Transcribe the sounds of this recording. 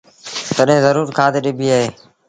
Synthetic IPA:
t̪əɗɦẽːzəɾuːɾkʰaːt̪eɗɪbiːaːɦeː

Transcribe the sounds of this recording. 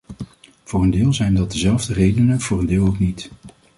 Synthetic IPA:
v̥ʊːrəndɪːlˠzɛjndɑt̚dəzɛlˠvdərejdənənv̥ʊːrəndɪːlˠowknit

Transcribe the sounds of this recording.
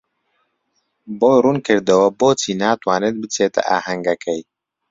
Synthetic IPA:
boːjrunkʰɨɾd̪ɐwɐboːt͡sʰiːnaːt̪waːnet̪̚bɨt͡sʰeːt̪ɛ̰ʔa̰ːhɐŋɡɛkɛj

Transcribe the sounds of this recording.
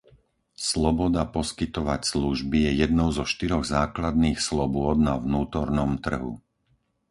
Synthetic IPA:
slɔbɔd̪apɔskit̪ɔʋacsluʒbijɛjɛd̪nɔʊzɔʃt̪iɾɔɣzaːklad̪niːxslɔbʊɔd̪̚naʋnuːt̪ɔɾnɔmt̪r̩ɦṵ

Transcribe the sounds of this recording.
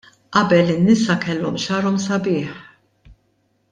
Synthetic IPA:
ʔɐbɛlɪnːɪsɐkɛlːɔmʃɐːɾɔmsɐbɪːħ

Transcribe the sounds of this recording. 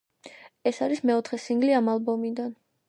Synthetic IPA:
ɛsaɾismɛɔt̪ʰχɛsiŋɡliamalˠbɔmid̪an

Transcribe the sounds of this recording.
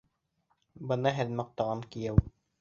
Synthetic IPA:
bɤ̆nɑɦæðmɑq̚t̪ɑʁɑŋkijæw

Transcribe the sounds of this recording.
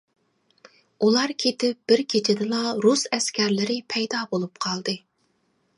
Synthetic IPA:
ulˠɑɾkʲʰet̪ɪp̚b̥ɪɾkʲʰet͡ʃʰɪd̪ɪlˠɑɾusɛskʲʰæɾlɪɾɪpʰɛjd̪ɑbolˠup̚qʰɑlˠd̪ɨ

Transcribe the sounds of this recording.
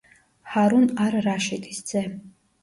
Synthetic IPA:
haɾunaɾraʃit̪ʰʼi̥szɛ

